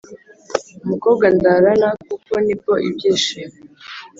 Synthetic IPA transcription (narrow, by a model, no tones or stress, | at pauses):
umuko̞b̚ɡandaɾanak̚ukonikoʔibɟeːʃiɾe